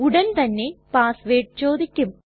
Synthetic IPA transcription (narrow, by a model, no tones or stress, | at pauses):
uɽɐnt̪ɐnːe̞paːsʋeːʈ̚t͡ɕo̞ːd̪ʱikʲːum